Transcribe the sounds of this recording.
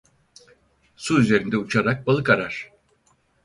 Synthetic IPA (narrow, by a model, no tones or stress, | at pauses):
suyze̞ɾind̪ɛut͡ʃʰaɾak̚balˠɯkaɾaɾ̥